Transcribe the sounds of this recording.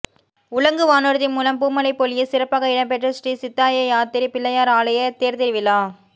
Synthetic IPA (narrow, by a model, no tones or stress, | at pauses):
ʊɭɐŋɡɯʋaːnɔɾɯðɪmuːlɐmpuːmɐlɐɪpːɔlɪjɪsɪɾɐpːaːɣɐɪɽɐmpɛʈrɐsʈisɪt̪ːaːjɐjaːt̪ɪɾipːɪlːɐjaːɾaːlɐjɐt̪eːɾt̪ɪɾɯʋɪlaː